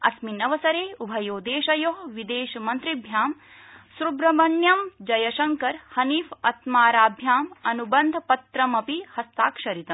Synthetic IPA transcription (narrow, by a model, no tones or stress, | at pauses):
ɐ̰sminɐʋɐsɐɾeːubʱɐjoːd̪eːʃɐjoːɦʋid̪eːʃɐmɐnt̪ɾibʱjaːm | sɾubɾɐmɐɳjɐmd͡ʒɐjɐʃɐŋkɐɾhɐniːfɐt̪maːɾaːbʱjaːmɐnubɐnd̪ʱɐpɐt̪ɾɐmɐpihɐst̪aːkʃɐɾit̪ɐmm